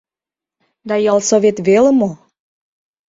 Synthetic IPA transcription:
d̪ɑjɑlsoβet̪βeləmo

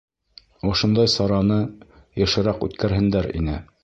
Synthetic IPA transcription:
ŏʃŏnd̪ɑjsɑɾɑnɤ | jɤ̆ʃɤ̆ɾɑqʉ̰t̪kæɾɦɘ̆nd̪æɾḭnɘ̰

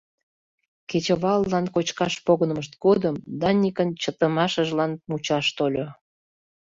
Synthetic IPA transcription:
ket͡ɕəβɑlːɑnkot͡ɕkɑʃpoɣənəməʃ̬t̪̚ɡod̪əmd̪ɑnʲikənt͡ɕət̪əmɑʃəʒlɑnmut͡ɕɑʃt̪olʲo

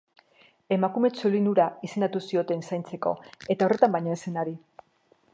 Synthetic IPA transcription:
e̞makume̞t͡solinuɾaise̞nd̪at̪usio̞t̪e̞nsajnt͡se̞ko̞̰e̞t̪ao̞re̞t̪ambajɲoese̞naɾi

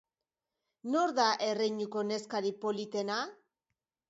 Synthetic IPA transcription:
no̞ɾðaʔe̞rejɲuko̞ne̞skaɾipo̞lit̪e̞na

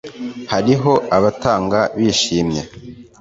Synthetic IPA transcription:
haɾiɦo̞aβataːŋɡaβiːʃiːmɲe

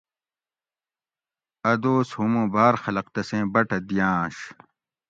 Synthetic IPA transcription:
ɐd̪oːshumũːbaːɾxɐlɐqt̪ɐsẽːbɐʈɐd̪ijãːɕ

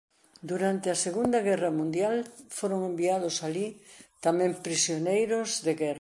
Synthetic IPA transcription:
d̪uɾant̪ɪɐseɣund̪ɐɣɛrɐmũnd̪jalfoɾoŋembiað̞ʊsalit̪amɛ̃mpɾisjonejɾʊzðeɣɛrɐ

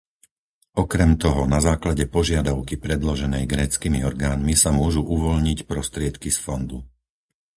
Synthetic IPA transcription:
ɔkɾɛmt̪ɔɦɔnazaːklaɟɛpɔʒɪad̪aʊkipɾɛd̪lɔʒɛnɛjɡɾɛːt͡skiːmiɔɾɡaːnmisamʊɔʒuʔuʋɔʎɲicpɾɔst̪ɾɪɛt̪kisfɔnd̪u

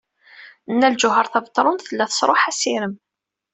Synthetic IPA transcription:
ənːælʒʊɦəɾˤθævt̪ˤːɾˤʊnθəlːæθə̥sˤɾˤoħæsiɾəm

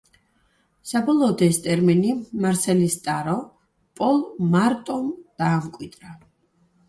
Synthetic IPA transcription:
sabɔlˠɔːd̪ɛst̪ʼɛɾminimaɾsɛlist̪ʼaɾɔ | pʼɔlˠmaɾt̪ʼɔmd̪̥aːmkʼwid̪ʼɾa

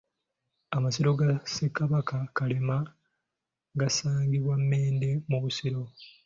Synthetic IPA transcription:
amasiɾo̞ɡasekːaβakakalema | ɡasaːŋɡiβwamːe̞ːnde̞muβusiɾo̞

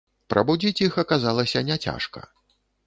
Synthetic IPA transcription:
pɾʔɐbud͡zʲit͡sʲixɐkazalˠɐsʲɐnʲɛt͡sʲa̰ʂkɐ̰

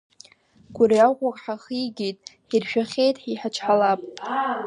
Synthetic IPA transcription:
ɡ̥ʷʊɾijaqʷakʼħaχijɡʲijtʼħirʃᶣaχʲejtʼħiħat͡ʃʰħalapʼ

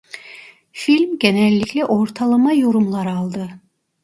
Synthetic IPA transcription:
filʲmɡʲenælʲːicʲlʲɛʔoɾt̪ʰɑlˠɯmɑjoɾumlˠɑɾɑlˠd̪ɯ

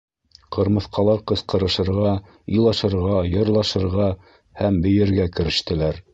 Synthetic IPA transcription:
qɤ̆ɾmɤ̆θqɑlˠɑɾqɤ̆sqɤ̆ɾɤ̆ʃɤ̆ɾʁɑ | ilˠɑʃɤ̆ɾʁɑjɤ̆ɾlˠɑʃɤ̆ɾʁɑ | hæmbɘ̆jɘ̆ɾɡækɘ̆ɾɘ̆ʃt̪ɘ̆læɾ

